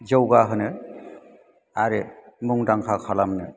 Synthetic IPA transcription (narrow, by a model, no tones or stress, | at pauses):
d͡ʒɯwɡaɦɯnɯ | aɾemuŋdaŋkʰakʰalamnɯ